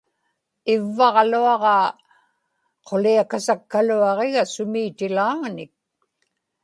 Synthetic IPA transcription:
ɪvːɑʁluɑʁɑ | qʰoliakasakːaluɑʁeɣasʊmiːt̪ɪlaːŋnɪk̚

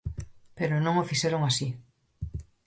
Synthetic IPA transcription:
peɾonõŋofiʃeɾoŋasi

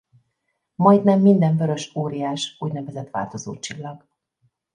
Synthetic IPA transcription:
mɒjd̪nɛmːind̪ɛɱvø̞ɾø̞ʃoːɾijaːʃuːɟnɛvɛzɛt̪ʋa̰ːlt̪o̞zo̰ːt͡ʃilːɒɡ̥

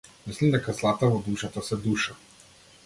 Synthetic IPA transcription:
mislimd̪ɛkazlˠat̪avɔd̪uʃat̪asɛd̪uʃa

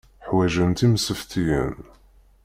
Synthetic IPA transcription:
ħwæʒənt̪imsəft̪ijə̰n

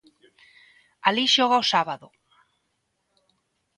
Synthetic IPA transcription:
aliʃoɣ̞aosaβaðo

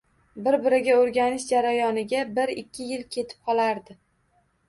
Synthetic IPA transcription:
bɪɾbɪɾɪɡʲaoɾɡʲanɪʃd͡ʒaɾajɒnɪɡʲabɪɾɪkʲʰːɪjɪlkʲʰe̞t̪ʰɪ̥p̚qʰɒlˠaɾd̪ɪ

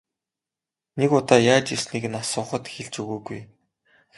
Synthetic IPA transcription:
nekʊt̪ɔːjaːt͡ɕirsniːknasʊːχə̆t̪xeɮt͡ɕɵɣoːɡuj

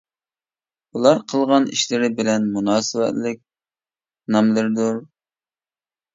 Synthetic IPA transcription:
ulˠɑɾqʰəlˠʁɑnḭʃlɪɾɪbɪlɛnmunɑːsɨwɛ̰t̪lɪk̚ʲ | nɑmlˠɨɾd̪uɾ

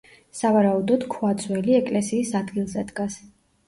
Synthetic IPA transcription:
savaɾaud̪ɔd̪̥kʰuat̪sʰʼwɛliɛkʼlɛsiːsad̪ɡilˠzɛd̪ɡas

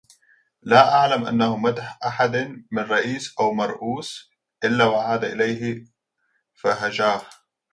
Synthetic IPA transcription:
laːʔaʕlamʔa̰nːahʊmad̪ħʔaħad̪mɪnrˤɑʔiːsʔawmɑɾˤʔuːs | ʔɪlːawaʕaːd̪aʔɪlajɦɪ | faɦad͡ʒaːh

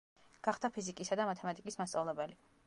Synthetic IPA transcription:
ɡ̥aχd̪apʰizikʼisad̪amat̪ʰɛmat̪ʼikʼismast̪sʼavlɛbɛli

